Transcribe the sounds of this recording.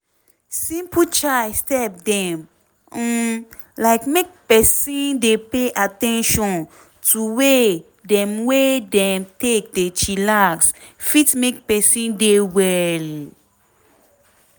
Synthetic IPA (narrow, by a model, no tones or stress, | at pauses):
sĩmpʰut͡ʃajstɛp̚dɛ̃m | laɪkmek̚pɛsĩndepeʔatɛ̃nʃɔ̃n | tʰuwe | dɛ̃mwedɛ̃mtek̚det͡ʃilaksfitmek̚pɛsĩndewɛl